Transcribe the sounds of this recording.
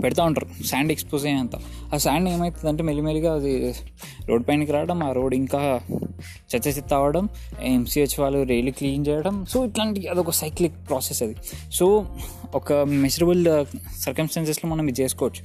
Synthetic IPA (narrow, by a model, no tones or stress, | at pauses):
peɽit̪̬aːuɳʈa̰ːɾusaːɳɖekspoːzeːɐnt̪a̰ːaːsaːɳɖeːmɐjt̪und̪ɐɳʈeːmelimeliɡaːɐd̪i | ɾoːɖpaːnkiɾaːʋɐɽɐmaːɾo̞ːɖiŋkaː | t͡ʃɐt͡ʃːɐt͡ʃit̪ːaːʋɐɽɐm̰ | emsiːʋɐt͡ʃːiʋaːlːuɾeːlikliːnt͡ʃɛːjɐɽɐmsoːiʈlaːɳʈiɐd̪iɔkɐsɐjklikpɾaːsesɐd̪isoːɔkɐmed͡ʒɐɾɐbɐlsɐɾkɐmsʈaːns̬esloːmɐnːɐmid͡ʒeskoːɾt͡ʃ